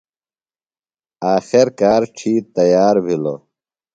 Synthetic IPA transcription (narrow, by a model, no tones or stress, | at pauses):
aːxiɾkaːɾʈ͡ʂʰiːt̪ɐjaːɾbʱilo̰